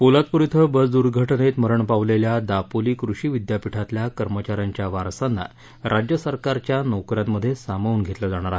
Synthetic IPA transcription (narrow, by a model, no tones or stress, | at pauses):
polat̪̚puɾit̪ʰəbəd͡zd̪uɾɡʱəʈnet̪məɾəɳpaʋleljad̪apoliːkɾuɕiːʋid̪japiʈʰat̪ljakəɾmət͡ɕaɾjaɲt͡ɕjaʋaɾsanːa̰ | ɾʔad͡ʑjəsəɾkaɾt͡ɕjanowkɾammːəd̪ʱːjesamauːnɡʱet̪ləd͡zaɽ̃aɾaɦ